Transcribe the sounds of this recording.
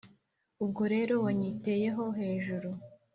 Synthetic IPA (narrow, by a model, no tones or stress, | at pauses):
ub̚ɡoɾe̞ːɾo̞waɲite̞ːje̞ɦo̞ɦe̞ːʒuɾu